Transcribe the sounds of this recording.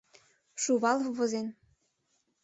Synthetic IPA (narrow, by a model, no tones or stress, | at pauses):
ʃuβɑlˠvɤ̆zen